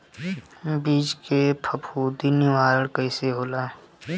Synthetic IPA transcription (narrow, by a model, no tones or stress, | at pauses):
biːd͡ʒkepʰəpʰuːd̪inɪʋaːɾəɽkəiseɦoːlaː